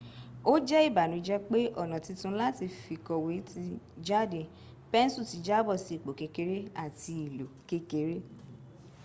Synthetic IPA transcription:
o˦d͡ʒɛ˦i˦˨ba˨nũ˨˧d͡ʒɛ˦k͡pe˦ʔɔ˦˨nã˨ti˧tũ˧˦la˦ti˧fi˨kɔ˨we˨˦ti˧˦d͡ʒa˦˨de˨ | pɛ˦n̩˦su˦˨ti˨˧d͡ʒa˦bɔ˦˨si˨˧˨k͡po˨ke˨˧ke˨˦ɾe˦a˦˨ti˧i˨lo˨ke˦ke˨˦ɾe˦

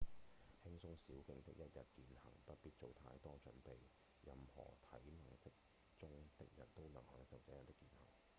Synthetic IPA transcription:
hɪ˥ŋsʊ˥ŋsiː˨˥wkɪ˧ŋt̪ɪ̰˥k̚jɐ˥t̚jɐ˨t̚kiː˨˧nhɐ̰˨˩ŋpɐ˥t̚piː˥t̚t͡so˨wt̪ʰa̰ː˧jt̪ɔː˥t͡sɵ̰˨˥npe˨j | jɐ˨mhɔ̰ː˨˩t̪ʰɐ̰˨˥jmɐ˨˩ŋsɪ˥k̚ | t͡sʊ˥ŋt̪ɪ˥k̚jɐ˨˩nt̪o˥wnɐ˨˩ŋhœː˨˥ŋt͡sɐ˨wt͡sɛː˨˥jɐ˨˩t̪ɪ˥kːiː˧nhɐ̰˨˩˨ŋ

